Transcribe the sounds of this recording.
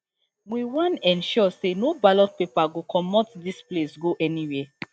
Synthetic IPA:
wiwãnɛ̃nʃɔsenobalɔt̚pepaɡokʰɔmɔtdisplesɡoʔɛniwɛ

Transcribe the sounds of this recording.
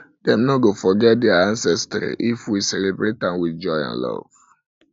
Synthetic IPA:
dɛ̃mnoɡofɔɡɛt̚dɛaãnsɛstɾḭʔifwisɛlebɹetãmwid͡ʒɔjã̰nlɔ̰v̥

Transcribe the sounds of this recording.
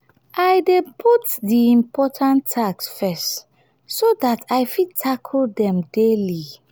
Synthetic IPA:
ʔajdepʰutdiĩmpɔtʰãntʰːaɡsfɛst | sodatʰajfid̚tʰakʰldɛ̃mdeli

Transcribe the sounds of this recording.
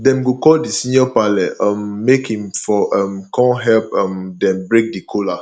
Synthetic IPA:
dɛ̃mɡokɔldisĩnjɔpalɛãmːekhĩmfɔʔãmkʰɔ̃nɦɛlpãmdɛ̃mbɹek̚dikʰola

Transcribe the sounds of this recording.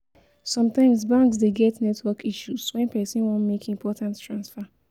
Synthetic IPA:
sɔ̃mtãɪ̃msbãŋks̬deɡɛtnɛtwɔkʰiʃuswɛ̃npɛsĩnwɔ̃nmekĩmpʰɔtãnttɹãnsfa

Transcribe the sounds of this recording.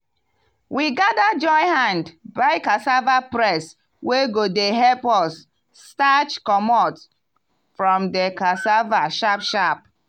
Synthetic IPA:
wiɡadad͡ʒɔ̃ɪhãndbaɪkasavapɹɛs | weɡodeɦɛlpɔsː | tat͡ʃkɔmɔt | fɹɔ̃mdekasavaʃapʃap̚

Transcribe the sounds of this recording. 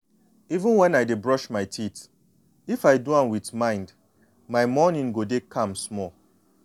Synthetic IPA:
ivũnwɛ̃najdebɹɔʃmaɪtʰit | ifaɪduãnwitmãɪ̃nd | maɪmɔnĩŋɡodekʰãmsmɔl

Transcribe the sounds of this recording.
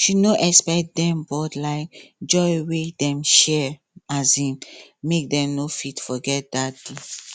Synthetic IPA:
ʃinoʔɛkspɛkt̚dɛ̃mbɔdlaɪkd͡ʒɔɪwedɛ̃mʃɛ | azhĩmmek̚dɛ̃mnofitfɔɡɛt̚dat̚d̥e

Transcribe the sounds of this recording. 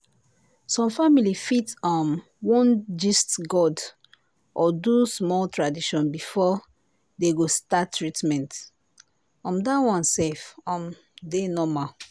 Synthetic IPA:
sɔ̃mfamilifitɔ̃m | wɔ̃nd͡ʒistɡɔd | ʔɔdusmɔltʰɹadiʃɔ̃nbifɔ | deɡostatːɹitmɛ̃nt | ɔ̃mdawɔ̃nsefɔ̃m | denɔma

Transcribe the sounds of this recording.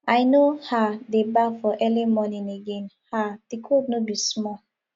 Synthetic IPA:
ajnohadebafɔʔɛlimɔnĩneɡẽnhad̥ikʰudnobismɔ

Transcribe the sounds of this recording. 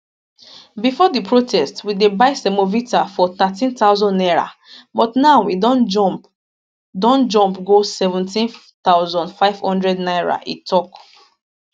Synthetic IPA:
bifɔdipʰɹotʰɛstwidebaɪsɛmovitafɔt̪atĩntaʊzɔ̃ndɛɹa̰ | bɔtnaʊwidɔ̃nd͡ʒɔp | dɔ̃nd͡ʒɔ̃mpɡosɛvũntĩn | t̪aʊzɔ̃ndfaɪv̥hɔ̃ndɹɛdnaɪɹa̰ʔḭtʰɔk

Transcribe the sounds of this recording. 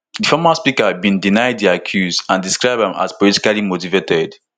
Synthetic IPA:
difɔmaspikabĩndinaɪd̚diakʰjuzãndiskɹaɪbɛ̃ma̰zpɔliti̥kalimotivetʰɛd

